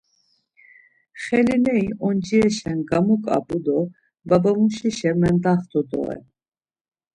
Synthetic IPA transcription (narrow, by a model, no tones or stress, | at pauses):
χɛlinɛiʔɔnd͡ʒiɛʃɛnɡamukʼa̰bud̪ɔ | babamuʃiʃɛmɛnd̪aχt̪ʰʼɔd̪ɔ̰ɛ̰